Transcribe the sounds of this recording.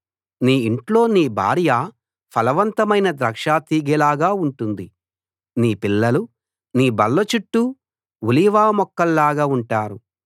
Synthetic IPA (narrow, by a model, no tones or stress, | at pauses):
niːiɳʈlo̞ːniːbʱa̰ːɾja | pʰɐlɐʋɐnt̪ɐmɐjnɐd̪ɾɐkʂaːt̪iːɡɛlaːɡaːuɳʈund̪i | niːpilːɐlu | niːbɐlːɐt͡ʃuʈːu | wuliʋaːmɔkːɐlːaːɡaːuɳʈaːɾu